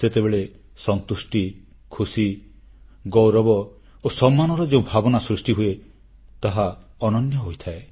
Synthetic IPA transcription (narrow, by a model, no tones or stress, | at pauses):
set̪ebeɭe | sɔnt̪usʈi | kʰusi | ɡɔwɾɔbɔ | osɔmːanɔɾɔd͡ʒeũbʱabɔnasɾusʈiɦue | t̪aɦaɔnɔnjɔɦojt̪ʰae